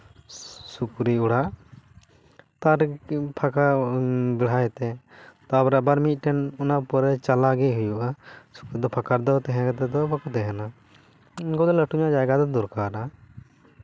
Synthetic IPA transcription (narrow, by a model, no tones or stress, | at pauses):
sukɾiuɽaʔ | t̪aɾpʰakabɛɽ̤ajɛt̪ɛ | t̪abɾabaɾmic̪̚ˀʈɛnɔnapɔɾɛt͡ʃalaɡɛɦujuʔasu̥kɾid̪ɔpʰakaɾd̪ɔt̪ɛɦɛ̃kɛt̪ɛd̪ɔbakɔt̪ɛɦɛna | inkɔd̪ɔləʈʰuɲad͡ʒajɡad̪ɔd̪ɔɾkaɾa